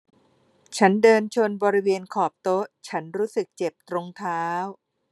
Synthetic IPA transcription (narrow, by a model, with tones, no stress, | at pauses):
t͡ɕʰa˦˥ndɤː˧nt͡ɕʰo˧nbɔː˧ɾi˦˥weː˧nkʰɔː˨˩p̚t̪o˦˥ʔt͡ɕʰa˦˥nɾuː˦˥sɯ˨˩k̚t͡ɕe˨˩p̚t̪ɾo˧ŋt̪ʰaː˦˥w